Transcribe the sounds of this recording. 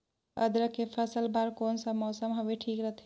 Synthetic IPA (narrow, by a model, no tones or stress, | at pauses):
ə̰d̪ɾəkepʰəsəlbaːɾkoːnsəmɔːsəmɦoʋeʈʰiːkɾəɦt̪ʰ